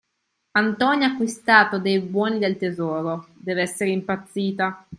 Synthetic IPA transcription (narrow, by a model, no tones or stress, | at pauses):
ant̪ɔːnakːwist̪aːt̪od̪ejbwɔːnid̪elt̪ezɔːɾod̪ɛːveɛsːeɾeimpat̪sːiːt̪a